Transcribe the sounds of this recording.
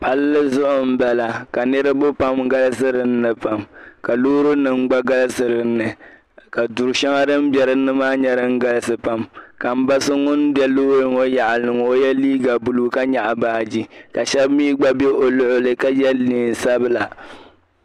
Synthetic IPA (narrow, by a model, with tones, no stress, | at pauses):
pa˦lːɨ˦zʊ˦ʔʊ˨m̩˦bɛ˨la˨ka˨nɨ˦ɾɨ˦bʊ˦pa˦m˦ɡa˦lsɨ˦ɾɨ˨n̩ː˦ɨ˨pa˨mka˨loː˦ɾɨ˦nɨ˨ŋɡ͡ba˦ɡa˦lsɨ˨ɾɨ˨nːɨ˨ | ka˨dʊ˨ɾʃɛ˦ŋa˦ɾɨ˦m˦bjɛ˨ɾɨ˦nɨ˦maː˦ɲɛ˦ɾɨ˦ŋ̩˦ɡa˦lsɨ˨pa˦mka˨m̩˦ba˦sɨ˦ŋʊ˦nbɛ˦loː˦ɾɨ˨ŋo˦ja˨ʔa˨nɨ˨ŋ˨o˦jɛ˦liː˦ɡa˨bu˨lu˦˨ka˦ɲa˨ʔa˨baː˨˦d͡ʒi˦ka˨ʃɛ˦bmiː˦ɡ͡ba˦be˦ʔo˨lʊ˦ʔʊ˦lɨ˨ka˦jɛ˦liː˨n˨sa˦bɨ˦la˨